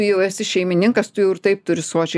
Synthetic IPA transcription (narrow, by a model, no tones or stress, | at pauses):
ʊjɛʊɛsʲɪʃʲɛɪmʲɪnʲɪŋkɐst̪ʊjɛʊɪrt̪ɐɪp̚t̪ʊɾʲɪsuɔt͡ʃʲɛ